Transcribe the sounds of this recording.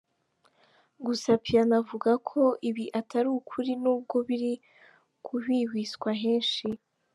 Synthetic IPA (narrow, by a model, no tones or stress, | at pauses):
ɡusapʰijanavuɡakʰo̞ʔiβiʔataɾuːkʰuɾinuːb̚ɡo̞βiɾi | kʰuβiːwiːskwaɦeːnʃi